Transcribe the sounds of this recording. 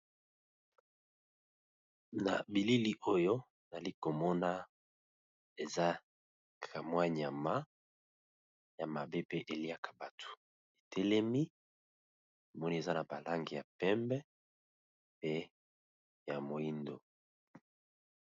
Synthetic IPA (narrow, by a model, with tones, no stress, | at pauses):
na̰˨bi˨li˦li˦ʔo˦jo˦˨ | za˨li˦ko˨mɔ˦na˦ | e˨za˦ | kʰa˨mwa˦ɲa˨ma˦ | ja˨ma˨be˦pe˦ʔe˨li˦a˦kʰḁ˨ba˨tʰo̥˨ | e˨tʰɛ˦lɛ˦mi˦ | na˨mɔ˦ni˦e˨za˦na˨ba˨la˦ŋɡi˨ja˨pɛ˦mbɛ˦ | pe˦ | ja˨mo˨i˦ndo˨